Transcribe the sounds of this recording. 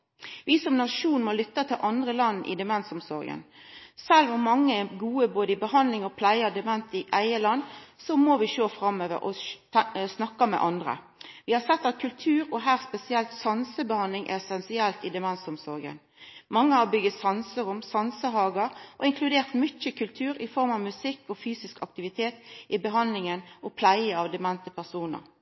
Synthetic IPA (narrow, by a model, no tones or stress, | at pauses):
ʋɪsɔmnɑʃuːnmɔlʏt̪ːət̪ʰɪlʔɑnd̪ʁəlɑnːʔɪ̰d̪ɛmɛnsʊmsɔɾɡə̰nsɛlʋʊmmːɑŋːəɛɡuːəboːd̪əɪbəhɑnlɪŋɔpʰlæɪɑd̪ɛmɛnt̪ɪʔæɪəlɑnːsɔmɔʋɪʃoːfʁɑmːøːʋə̰ɾʔɔ̰ | snɑkːɑmɛ̰ʔɑnd̪ʁə̰ | ʋɪhɑsɛt̪ːɑt̪̚kʰʉlt̪ʰʉːɾɔɦæːʁspɛsɪɛlt̪sɑnsəbəhɑnd̪lɪŋʔɛ̰ɛsɛnsɪɛlt̪ɪd̪ɛmɛnsɔmsɔ̰ːɡə̰n | mɑŋːəhɑɾbʏɡət̪sɑnsəɾʊmsɑnsəɦɑːɡəɾʔɔ̰ɪŋkʰlʉd̪eːʁt̪mʏt͡ʃːəkʉlt̪ʰʉːɾɪfɔɾmɑʋmʉsɪkːɔfyːsɪskɑk̚t̪ɪʋɪt̪ʰeːt̪ɪbəɦɑnlɪŋənɔpʰlæɪəɑʋd̪ɛmɛnt̪əpʰæʁsuːnə̰ɾ